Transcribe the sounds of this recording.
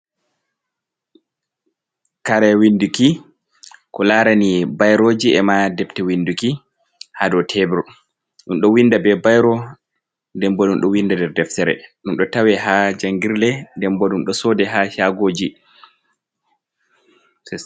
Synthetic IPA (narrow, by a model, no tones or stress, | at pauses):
kaɾɛwinduki | kɔlaːɾanibajɾoːd͡ʒiɛmadɛptɛwinduki | hadɔtʰɛbɾɔ | ɗunɗɔwindabɛbajɾɔ | ndɛmbɔdunɗɔwindadɛɾdɛftɛɾɛ̰ɗunɗɔtawɛɦad͡ʒaŋɡiɾlɛndɛmbɔɗunɗɔsɔːdɛɦaʃaɡoːd͡ʒi